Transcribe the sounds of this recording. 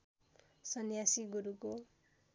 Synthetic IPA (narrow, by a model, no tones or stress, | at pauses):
sʌnjasiɡuɾuko